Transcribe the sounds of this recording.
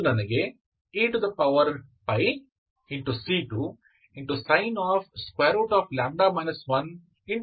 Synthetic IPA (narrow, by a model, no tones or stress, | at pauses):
nɐnɐɡe | ɪ̃ɳʈud̪ɐpɐʊʋɐɾɳpɐɪ | ɪ̃ɳʈusiːʈu | ɪ̃ɳʈusɐ̃ɪnɔːfskweːɾoʊʈɔːflãːɳɖaːmaɪnɐsʋɐ̃n | ɪ̃ɳ